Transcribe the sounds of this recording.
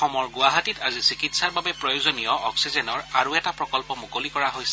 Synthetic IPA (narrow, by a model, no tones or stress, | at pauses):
xɔmɔɹɡʊaɦatitazisikitsaɹbabɛpɹɔjozɔnijɔʔɔksizenɔɹaɹuɛtapɹɔkɔlpɔmukolikɔɹaɦojsɛ